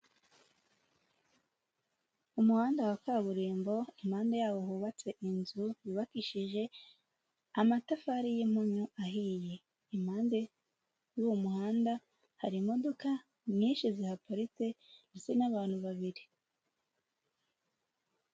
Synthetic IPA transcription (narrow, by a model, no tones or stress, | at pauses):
umuhaːndawakaβuɾiːmbo̞imhaːnde̞jaːwo̞ɦuːβat͡se̞ʔinzujiβakiʃiʒe̞ | amatafaɾijimuɲuʔaɦiːje̞ | im̥haːnde̞ | juwumuhaːnda | haɾimo̞do̞ka | ɲiːnʃizihapaɾit͡se̞nesenaβaːn̥huβaβiɾi